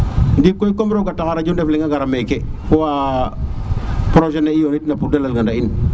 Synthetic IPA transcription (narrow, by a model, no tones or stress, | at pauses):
ndikːoikombɾoɡatakaɾad͡ʒondefleŋaɡaɾamekekowa | pɾoʒenaijonitnapudalalɡadain